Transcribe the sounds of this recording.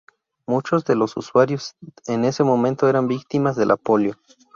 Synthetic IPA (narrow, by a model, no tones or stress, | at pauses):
mut͡ʃo̞zðe̞lo̞sṵswaɾjo̞sene̞se̞mo̞mẽ̞nt̪oeɾambikt̪imazðe̞lʔa̰po̞ljo̞